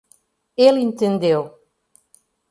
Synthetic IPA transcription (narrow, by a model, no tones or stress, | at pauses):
elˠẽnt̪ẽnd̪ew